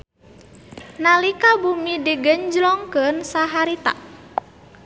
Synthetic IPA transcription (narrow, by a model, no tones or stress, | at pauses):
nalikabumidiɡəɲd͡ʒlɔŋkənsaɦaɾit̪a̰